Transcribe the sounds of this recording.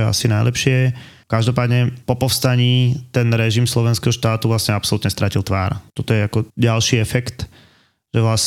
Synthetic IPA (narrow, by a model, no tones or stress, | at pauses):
ɛa̰sinajlʔɛ̰pʃɪɛ | kaʒd̪ɔpaːd̪ɲɛpɔpɔʊst̪aɲiːt̪ɛnɾɛʒimslɔʋɛnskɛɦɔʃt̪aːt̪uvlasɲɛapsɔlut̪ɲɛst̪ɾacilt̪ʋa̰ːɾt̪ɔt̪ɔjɛakɔɟalʃiːɛfɛkt̪ | ʒ̥ɛʋlas